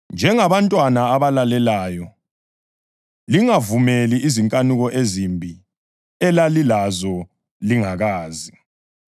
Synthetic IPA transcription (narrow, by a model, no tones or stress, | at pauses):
nd͡ʒʱɛŋaβantʼwanaːβalalɛlaːjɔ | liŋavumeliʔiziŋkʼanuɣɔʔezimbʱi | ɛlalilazɔ | liŋaɣaːzi